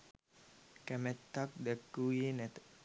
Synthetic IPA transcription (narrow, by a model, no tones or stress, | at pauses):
kæmɛt̪ːak̚d̪ɛkːuːjenæt̪ə̥